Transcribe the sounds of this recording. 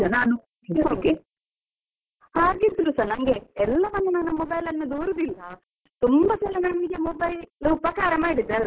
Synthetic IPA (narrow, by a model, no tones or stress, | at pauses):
ɐnaːnu | oːke | haːɡid̪uɾusɐnɐŋɡeɛlːɐmɐnd̪unanːɐmɔbɐjlɐnːɐd̪uːɾud̪ilːɐ | t̪umbɐt͡ʃɛlːɐnɐnɐmid͡ʒjɐmobɐjllɐupɐkaːɾɐmaːiɽid̪ɐl